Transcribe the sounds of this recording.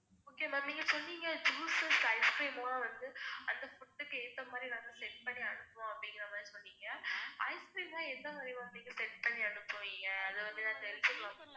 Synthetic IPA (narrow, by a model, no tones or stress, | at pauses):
oːkeːmaːniːŋɡɐsɔnːiːŋɡɐd͡ʒuːsɐsɐɪskɾiːmaːʋɐnd̪ɯɐnd̪ɐfʊʈːɯkːɯɛnd̪ɐmaːd̪ɾinãːd̪ãsɛʈ̚pɐɳːiɐɳɯpːõːɐpːɐɽɪŋɡɪɾɐɐmaːd̪ɾisɔnːiːŋɡɐɐ̰ɪskɾiːmaːɛnd̪amaːɾiʋãːɐpniːŋɡɐsɛʈ̚pɐɳːiɐɳɯpːõːɪŋɡɐːðɐʋɐnd̪ɯnãːnlsɔlʋa